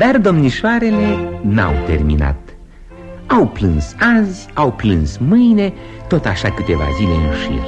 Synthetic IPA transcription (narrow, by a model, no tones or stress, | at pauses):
d̪ard̪o̞mniʃoaɾe̞le̞na̰wt̪e̞̰rmḭna̰t̪ | awplɨnsazʲ | awplɨnsmɨjne̞ | t̪o̞t̪aʃakɨt̪e̞va̰zile̞ɨnuʃḭr